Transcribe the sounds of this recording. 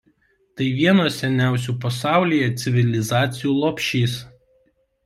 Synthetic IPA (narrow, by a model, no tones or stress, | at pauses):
t̪ɐɪʋʲiɛnoːsʲɛnʲæˑʊsʲuːpɐsɑˑʊlʲijɛt̪sʲɪʋʲɪlʲɪzɑːt̪sʲɪjuːlˠopʲʃʲiːs